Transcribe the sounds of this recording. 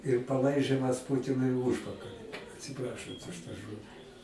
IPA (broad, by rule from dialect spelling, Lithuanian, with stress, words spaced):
ɪr pɐˈlˠɐɪʒʲɪmɐs ˈpuːtʲɪnʊɪ ɪ ˈuːʃpɐkɐlʲɪ ɐtʲsʲɪˈprɑːʃɐnt ʊʃ tɑː ˈʒoːdʲɪ